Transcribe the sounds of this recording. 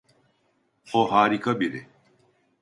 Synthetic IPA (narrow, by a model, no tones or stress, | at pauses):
xoɦaːɾikɐbiɾḛ